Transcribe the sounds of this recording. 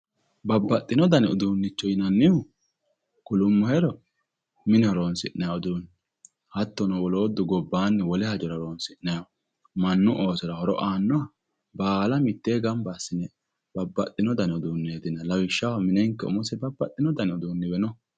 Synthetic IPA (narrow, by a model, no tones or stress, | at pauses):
bɐbːɐt̪ʼːɪnɔd̪ɐnɛʊd̪uːnːɪt͡ʃːɔjɪnɐnːɪhʊ | kʊlʊmːɔhɛɾɔ | mɪnɛɔɾoːnsɪʔnːɐjawɔd̪uːnː | hɐt̪ːɔnɔwɔlo̞ːd̪ːʊɡɔbːaːnːɛwɔlɛhɐd͡ʒɔɾɐɾoːnsɪʔnːɐja | mɐnːʊʔoːsɔɾɐhɔɾɔ̰ʔaːnːɔɐ | baːlɐmɪt̪ːeːɡɐmbasːɪnɛ | b̥ɐbːɐt̪ʼːɪnɔd̪ɐnɛʊd̪uːnːeːd̪ɪnɐlɐwɪʃːɐwmɪnɛŋkːɛʊ̰mɔsɛbɐbːɐt̪ʼːɪnɔd̪ɐnɛʊd̪uːnːɪbɛnɔ